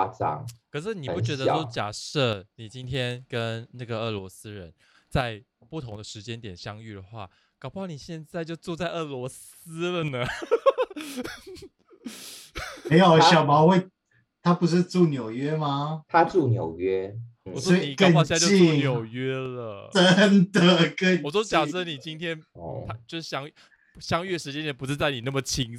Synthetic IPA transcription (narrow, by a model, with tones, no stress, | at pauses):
t͡sɑ̰˥˩ŋkʰɤ˨˩ʂ̬ɻ̩˥˩ni˨˩pu˥˩t͡ɕɥɛ˧˥d̪ə˧o˥ʊt͡ɕja˨˩ʂɤ˥˩ni˨˩t͡ɕi˦nt̪ʰjɛ˥nkə˦nna˥˩ɡə˩ɤ˥˩lwɔ˧˥sɹ̩˥ɻə˧˦n | t͡sa˥˧ɪpu˥˩t̪ʰo˧˦ŋd̪ə˨ʂɻ̩˧˥t͡ɕjɛ˥nt̪jɛ˨˩nɕjɑ˥ŋy˥˩d̪ə˩xwa̰˥˩ | kɑ˨˩ʊpɑ˥˩ʊni˨˩ɕjɛ˥˧nt͡sa˥˧ɪt͡ɕjo˥˧ʊt͡su˥˧t͡sa˥˧ɪɤ˥˩lwɔ˧˥s̩˥ | lə˨nə˩ | e˧˥ɪo˨˩ɕjɑ˨˩ʊpɑ˨˧˦xwe˥˧ɪ | t̪ʰa˦pu˧˥ʂ̬ɻ̩˥˧t͡su˥˩njo˨˩ʊɥɛ˦ma˧t̪ʰa˥t͡su˥˩njo̰˨˩ʊɥɛ˦˥wɔ˨˩swɔ˥ni˨˥knpɑ˥˧ʊ˧ɕja˥˧t͡ɕjo˥˧i˥˧˥njo˨˩ʊɥɛ˥lə̰˨ʈ͡ʂə˦nd̪ə˨kə˥˧wɔ˨˩t͡so˥˩t͡ɕja˨˩sə˥˩˨ni˨˩t͡ɕi˦˥nt̪ʰjɛ˥nʰa˥t͡ɕjo˥˧ʊʂɻ̩˥˩ɕjɑ˥ŋ˥ | ɕjɑ˥˦ŋy˥˩də˩ʂɻ̩˧˥t͡ɕjɛ˥nt̪jɛ˨˩np̬u˦ʂɻ̩˥˧t͡sa˥˩ɪni˨˩na˥˩mə˩t͡ɕʰi˧˥ŋ